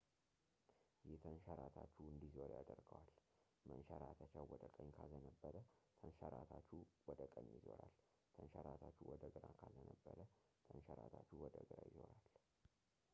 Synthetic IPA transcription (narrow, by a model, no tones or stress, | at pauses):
jɛt̪ʰənʃəɾat̪ʰat͡ʃːuɨnd̪izoɾjad̪əɾɡəwal | mənʃəɾat̪ʰat͡ʃawwɔd̪əkʼəɲkʰazənəbːəɾət̪ʰənʃəɾat̪ʰat͡ʃːuwɔd̪əkʼəɲjizo̞ɾal | t̪ʰənʃəɾat̪ʰat͡ʃːuwɔd̪əɡɨɾakʰazənəbːəɾə | t̪ʰənʃəɾat̪ʰat͡ʃːuwɔd̪əɡɨɾajɪzo̞ɾal